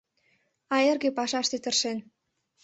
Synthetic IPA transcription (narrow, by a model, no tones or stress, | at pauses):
ɑerɣepɑʃɑʃt̪et̪ə̆rʃen